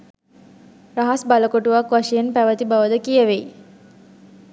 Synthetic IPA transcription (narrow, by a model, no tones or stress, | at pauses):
ɾaɦasbaləkoʈuʋakʋaʂejenpæʋət̪ibaʋəd̪əkijəʋej